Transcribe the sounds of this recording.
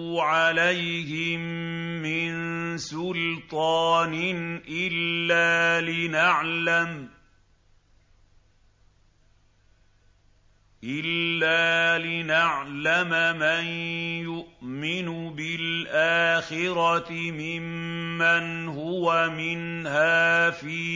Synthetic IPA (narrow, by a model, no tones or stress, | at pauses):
ʕalajhɪmː | ɪnsʊlt̪ˤɑːnɪnʔɪlːaːlɪnaʕlam | ʔɪlːaːlɪnaʕlamamanjʊʔmɪnʊbɪlʔaːxɪɾɑt̪ɪmɪmːanɦʊwamɪnhaːfiː